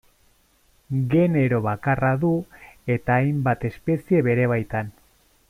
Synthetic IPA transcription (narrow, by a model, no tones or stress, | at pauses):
ɡe̞ne̞ɾo̞βakaraðue̞t̪aːjmbat̪e̞spe̞sie̞βe̞ɾe̞β̞ajt̪an